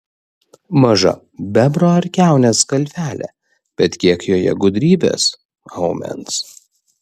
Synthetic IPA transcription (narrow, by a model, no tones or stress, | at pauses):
mɐʒɐ̰ | bʲæbɾoːɐɾʲkʲæˑʊnʲeːskɐlʲfʲæːlʲɛ̰ː | b̥ʲɛt̪kʲiɛkjoːjɛ̰ɡʊd̪ʲɾʲiːbʲḛːs | ɐʊmʲɛ̰ns